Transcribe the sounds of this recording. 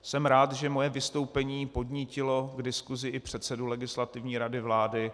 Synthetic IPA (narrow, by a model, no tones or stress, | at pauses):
sɛmɾaːt̪ʒɛmo̞jɛvɪst̪o̞wpɛɲiːpo̞dɲicɪlo̞ɡdɪskuzɪʔɪpr̝̥ɛt̪sɛdulɛɡɪslat̪ɪvɲiːɾadɪvlaːdɪ